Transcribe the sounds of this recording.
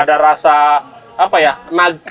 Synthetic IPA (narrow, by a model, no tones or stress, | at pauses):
adaɾasaː | pajanaɡ̚